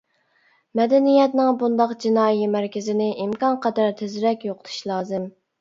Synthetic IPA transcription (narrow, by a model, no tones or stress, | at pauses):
mɛd̪ɛnijɛt̪nɪŋbund̪ɑqd͡ʒinɑːjimæɾkʲʰɪzɪnɪʔimkɑnqʰəd̪ɑɾt̪ʰezɾɛkʲjoqʰə̥t̪ʰu̥ʃlˠɑːzɨm